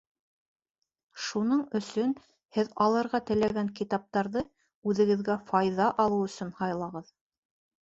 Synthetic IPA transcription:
ʃunɤɴɵ̆sɵn | hɘðɑlˠɤ̆ɾʁɑt̪ɘ̆læɡæŋkit̪ɑp̚t̪ɑɾðɤ | ʉðɘ̆ɡɘ̆ðɡæfɑjðɑʔɑlˠɤwɵ̆sɵnhɑjlˠɑʁɤð

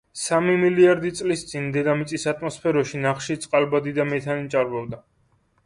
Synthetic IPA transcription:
samimiliaɾd̪it̪sʼlist̪sʼind̪ɛd̪amit̪sʼisat̪ʰʼmɔspʰɛɾɔʃinaχʃit̪sʼqʼalbad̪id̪amɛt̪ʰanit͡ʃʼaɾbɔbd̪a

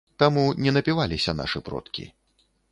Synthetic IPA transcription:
t̪amunʲɛnɐpʲivalʲisʲɐna̰ʂɨpɾɔ̰t̪kʲḭ

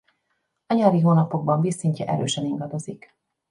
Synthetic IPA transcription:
ɒɲɒːɾiɦoːnɒpo̞ɡ̚bɒɱbiːsiɲcɛʔɛ̰ɾø̰ːʃɛniŋɡɒd̪o̞zik

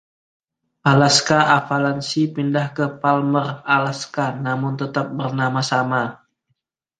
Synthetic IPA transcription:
ʔalaskaʔafalansipindahkəpalməralaskanamʊnt̪ət̪ap̚bərnamasama

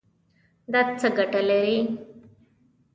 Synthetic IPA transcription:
d̪at̪̚t͡səɡəʈəleɾi

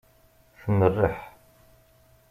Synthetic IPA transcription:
θənːərːəħ

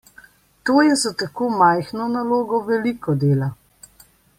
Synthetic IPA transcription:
t̪oːjɛzat̪akoːmajxnɔnaloːɡɔʋɛliːkɔd̪eːla

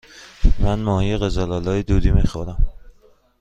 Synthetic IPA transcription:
mænmɒːhijeɣezælɒːlɒːjed̪uːd̪imixoɾæm

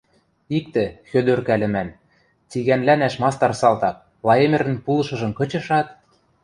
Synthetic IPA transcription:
ik̚t̪ɘ̆xød̪ørkælɘ̆mæn | t͡siɣænlænæʃmɑst̪ɑrsɑlt̪ɑk̚ | lˠɑemɘ̆ɾɘ̆npulɤ̆ʃɤ̆ʒɤ̆mkɤ̆t͡ɕɤ̆ʃɑt̪

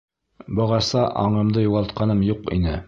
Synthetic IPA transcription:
bɒʁɑsɑʔɑɴɤ̆md̪ɤjuʁɑlˠt̪̚qɑnɤmjuqḭnɘ

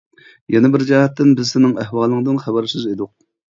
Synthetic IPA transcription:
jɛnɛbɪɾd͡ʒɛhɛt̪ːɪnbɪzsɪnɪŋæhwɑːlˠːəŋd̪ɨnχæbɛɾʃɪzed̪ʊq̚

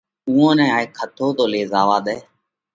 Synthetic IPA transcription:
uːõːnɛ̃ːaːeːkʰət̪ʰoːt̪oːleːzaːʋaːɗ̪ɛː

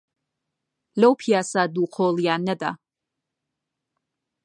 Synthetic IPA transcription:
lowpʰiasad̪uqʰɔːlijanɛd̪a̰

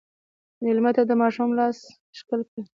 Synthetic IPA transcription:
melmat̪ad̪əmɑʃumlɑs | ʃkəlkə

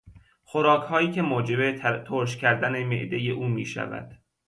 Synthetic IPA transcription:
xoɾɒːkʰhɒːjiːcʰe̞moːd͡ʒebe̞t̪ʰoːɾʃ̬cʰæɾd̪æne̞me̞̰ʔd̪ejeʔuːmḭːʃæ̰væ̰d̪̥

